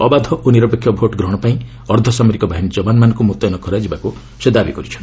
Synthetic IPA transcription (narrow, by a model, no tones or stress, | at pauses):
ɔbad̪ʱɔʔoniɾɔpekʰːjɔbʱoʈɡɾɔɽ̃ɔpaĩ | ɔɾd̪ʱɔsamɔɾikɔbaɦinid͡ʒɔbanmanɔ̃ŋkumut̪ːɔjnɔkɔɾad͡ʒibaku | sed̪abḭkɔɾit͡ʃʰɔn